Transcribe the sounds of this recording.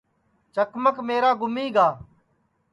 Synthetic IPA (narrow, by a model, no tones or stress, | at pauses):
t͡ʃəkməkmeːɾaːɡʊmiːɡaː